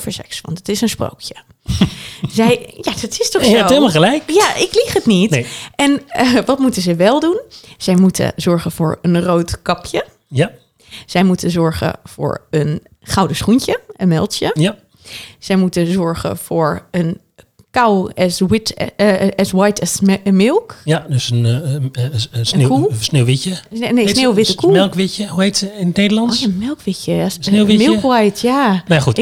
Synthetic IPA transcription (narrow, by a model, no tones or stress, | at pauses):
fəɹsɛ̰ksʋɑ̰ntətɪsənspro̰wkjə | zɛjjadɑtɪstɔχsoemaχəlɛjkjaʔɪkliχətnitʔɛnʋɑtmutəzəʋɛlˠdunz̥ɛjmutʰə̰zɔɹχənv̥ʊ̰ːɹənrowtkɑpʰjə | z̥ɛjmutənzɔɹχə̰v̥ʊ̰ːɹən | χɑwdəsχunt͡ʃəənmɛlˠtjə | z̥ɛjmutəzɔɹɣə̰v̥ʊːɹən | kawɛswɪt | ɛswajtʰɛmɪlˠkjadøsən | snkulsneʋɪcənejsnewʋɪtəkʰuɪlˠkʋɪcəhuetsəɪnnedəlɑnoamɪlˠkʋɪcəasneʋɪmɪlˠkʋɛjtjanajxut